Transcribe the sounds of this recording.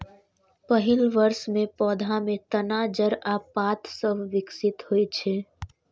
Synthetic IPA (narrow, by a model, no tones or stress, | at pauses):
pəɦɪlʋəɾsmẽpɔːd̪ʱãmẽt̪ənaːd͡ʒəɾaːpːaːt̪səbʱʋɪksɪt̪hoit͡ʃʰeː